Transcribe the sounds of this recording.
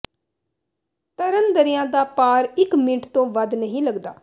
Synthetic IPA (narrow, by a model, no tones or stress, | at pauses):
t̪əɾənd̪əɾɪjãːd̪aːpaːɾɪkmɪʈt̪õːʋəd̪nəɦĩːləɡd̪a̰ː